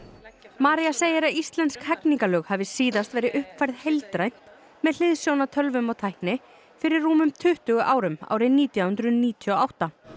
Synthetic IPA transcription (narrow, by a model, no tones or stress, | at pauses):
maːɾiaseːjɪɾaðist̪lɛnt̪skhɛkniŋkalœːɣhavɪsiːðast̪vɛːɾɪʔʏhpfajɾðhejlt̪ɾajn̥t̪ | mɛðl̥ɪðsjownat̪ʰœlvʏmaɣt̪ʰajhknɪ | fɪɾɪɾːuːmʏmt̪ʰʏht̪ʏːɣʏʔaːwɾʏma̰ːwɾɪnːiːt̪jawhʏnt̪ɾʏniːt̪ʰiɔawht̪a